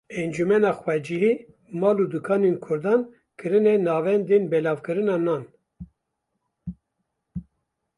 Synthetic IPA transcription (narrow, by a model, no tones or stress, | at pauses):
ɛnd͡ʒumɛnɑːxwɛd͡ʒiɦi | mɑːlud̪ukʰɑːnenkʰʊɾd̪ɑːn | kʰɨɾɨnɛnɑːvɛnd̪enbɛlɑːvkɨɾɨnɑːnɑːn